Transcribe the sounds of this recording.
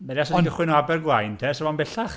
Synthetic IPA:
mɛɾjasɔndɪχwɪnɔabɛrɡwajntʰɛsəvɔnbɛɬaχ

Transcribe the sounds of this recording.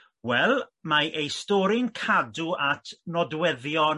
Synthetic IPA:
wɛlˠmaʔejstɔɾɪnkʰaduʔatʰnɔdwɛðjɔ

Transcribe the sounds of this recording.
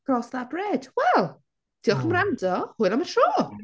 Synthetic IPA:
rɔsðabrɛd̥wɛlˠ | tʰiːɔχəmrandɔhʊɨnˠamənʃoː

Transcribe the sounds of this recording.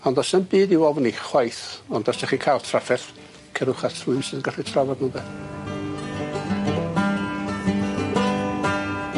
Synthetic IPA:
ɔndɔsənbɨːdiwɔvniχwajθɔndɔsɛχikʰajlˠtʰrafɛr | kʰəɾʊχatʰrʊɨnsɪðənɡərɪtʰravadnubɛ

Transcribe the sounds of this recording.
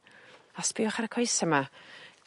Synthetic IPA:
asbiʊχaɾəkʰɔjsəma

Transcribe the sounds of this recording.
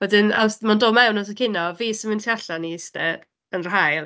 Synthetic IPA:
wɛdɪna̰wsmandoːmɛwnɔs̬əkʰɪnɔviːsɪmɪntʰiaɬanistɛ | ənr̥ɦajlˠ

